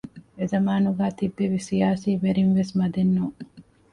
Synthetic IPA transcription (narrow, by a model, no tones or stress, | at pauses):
ezɐmaːnuɡaːt̪ibːeʋisijaːsiːʋeɾinʋesmɐd̪enːuŋ